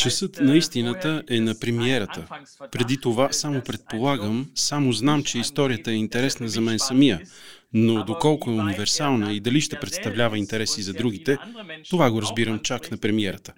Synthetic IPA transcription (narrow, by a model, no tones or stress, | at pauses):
t͡ʃɛsɤt̪nɐist̪inət̪əʔɛnɐpɾɛmiɛɾət̪ə | pɾɛd̪it̪ovasamopɾɛt̪̚polˠaɡəmsamoznamt͡ʃɛist̪ɔɾijət̪əɛint̪ɛɾɛsnəzɐmɛnsɐmijə | nod̪okɔlˠkʊɛunivɛɾsalˠnəid̪ɐliʃt̪ɛpɾɛt̪st̪ɐvlʲavəint̪ɛɾɛsizɐd̪ɾuɡ̟it̪ɛt̪ovaɡoɾɐzbiɾəmt͡ʃaknɐpɾɛmiɛɾət̪ə̥